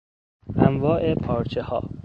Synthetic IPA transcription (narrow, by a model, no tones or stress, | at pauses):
ʔæmvɒːʔe̞pʰɒːɾt͡ʃʰehɒ̰ː